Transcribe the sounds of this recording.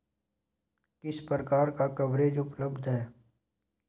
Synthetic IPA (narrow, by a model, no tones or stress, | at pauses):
kɪspəɾəkaːɾkakəʋɾeːd͡ʒʊpləbd̪ʱɦɛː